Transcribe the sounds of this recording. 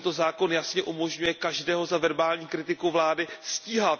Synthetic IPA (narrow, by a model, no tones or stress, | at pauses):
nt̪o̞zaːko̞njasɲɛʔumo̞ʒɲujɛkaʒdɛːɦo̞zavɛɾbaːlɲiːkɾɪt̪ɪkuvlaːdɪsciːɦat̪